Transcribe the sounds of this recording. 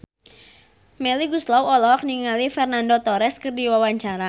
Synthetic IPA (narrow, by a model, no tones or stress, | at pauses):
mɛliɡuslawɔlɔkniŋalifɛrnandot̪ɔɾɛskɨrdiwawaɲt͡ʃaɾa